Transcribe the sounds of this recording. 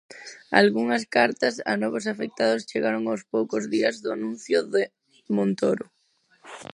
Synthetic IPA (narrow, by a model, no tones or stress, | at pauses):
a̰lɣuŋaskaɾt̪asa̰nɔβosafek̚t̪að̞ost͡ʃeɣaɾoŋawspowkozðiazðʊanũnθjoʊðe | mõnt̪oɾʊ